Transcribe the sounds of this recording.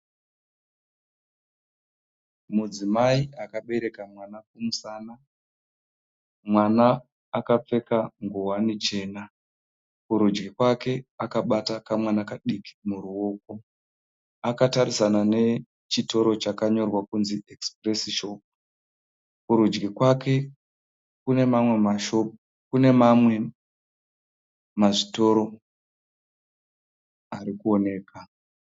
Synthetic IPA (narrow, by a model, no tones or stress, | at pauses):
mud͡zimaiʔakaɓe̞ɾe̞kamwanakumusaːna | mwanaː | kap͡fe̞kaŋɡuwanit͡ʃe̞ːna | kuɾud͡ʒɡikwake̞akaɓatakamwanakaɗikʰi̥muɾuo̞ːko̞ | akataɾisanane̞ | t͡ʃito̞ɾo̞t͡ʃakaɲo̞rwakunziekspre̞siʃo̞p̚ | kuɾud͡ʒɡikwake̞ | kune̞mamwe̞maʃo̞p | kune̞mamwe̞ | maʐito̞ɾo̞ | aɾikuo̞ne̞ːka